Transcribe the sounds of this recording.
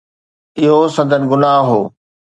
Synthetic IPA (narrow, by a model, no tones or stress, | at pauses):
ɪɦosɐ̃nd̪ʱənɪɡʊnaːɦɦoː